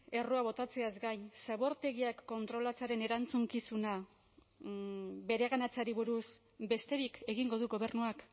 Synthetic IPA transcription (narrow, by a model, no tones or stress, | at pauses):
e̞roaβo̞t̪at͡se̞azɡajnsaβo̞ɾt̪e̞ɣiakːo̞nt̪ɾo̞lat͡saɾe̞ne̞ɾant͡suŋkisuna | be̞ɾe̞ɣanat͡saɾiβuɾus | be̞st̪e̞ɾike̞ɣiŋɡo̞ð̞uɣo̞β̞e̞ɾnuak